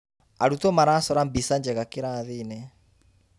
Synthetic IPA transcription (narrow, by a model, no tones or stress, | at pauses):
aɾutomaɾasɔɾambisaɲd͡ʒɛɣakeɾaðinɛ